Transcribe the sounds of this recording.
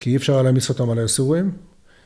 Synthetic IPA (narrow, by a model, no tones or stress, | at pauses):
kiifʃaʁalamisot̪amalaesuʁim